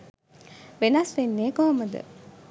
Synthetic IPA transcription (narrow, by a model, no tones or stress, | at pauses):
ʋenɐsʋenːeːkoɦomɐd̪ə̰